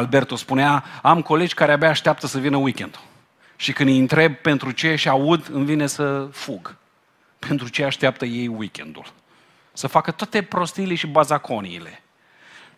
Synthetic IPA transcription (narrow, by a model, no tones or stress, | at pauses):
albe̞rt̪o̞spuneaamko̞le̞d͡ʒʲkaɾeabjaːʃt̪eap̚t̪əsəvinəwikʲe̞nd̪ul | ʃikɨnd̪int̪ɾe̞b̚pe̞nt̪ɾut͡ʃe̞ʃiaud̪ɨnvine̞səfuɡ | pe̞nt̪ɾut͡ʃe̞aʃt̪eap̚t̪əje̞jwikʲe̞̰nd̪ṵl | səfakət̪oat̪e̞pɾo̞st̪ileʃibazakʰo̞niːle̞